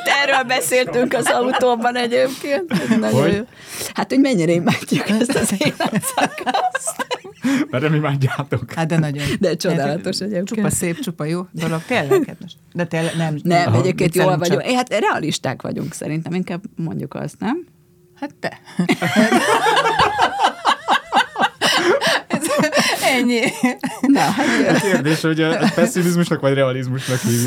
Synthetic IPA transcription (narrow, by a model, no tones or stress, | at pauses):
t̪ɛrøːlbɛseːlt̪yŋkɒzɒut̪oːbɒnɛɟeːpkeːnt̪nɒɟojo | hat̪ho̞ɟmɛɲːiɾɛimaːɟːukɛst̪ɒzeːnsɒkɒz | mɛrnɛmimaːɟːaːt̪okad̪ɛnɒɟod̪ɛt͡ʃo̞d̪aːlɒt̪o̞ʃɛɟeːpueseːp̪̚t͡ʃupɒjoːd̪o̞lo̞ɡt̪eːlːɛkɛd̪nɛʃ | d̪ɛt̪elɛnɛmnɛmmɛɟeːp̚keːnt̪joːlvɒɟohat̪ɾɛɒ̰liʃt̪a̰ːkʋɒ̰ɟṵŋksɛ̰ɾint̪ɛmiŋkaːbmo̞̰ɲɟukɒ̰st̪nɛm | hat̪ːɛ | ɛzɛɲːinɔɦaɛkeːrd̪eːʃhoɟɒpɛsːimizmuʃnɒkʋɒɟrɛɒlizmuʃnɒkhiː